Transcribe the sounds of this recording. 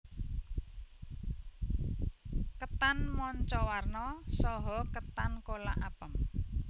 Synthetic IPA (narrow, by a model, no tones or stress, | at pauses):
kət̪anmɔɲt͡ʃɔwarnɔsɔɦɔkət̪ankolaʔapəm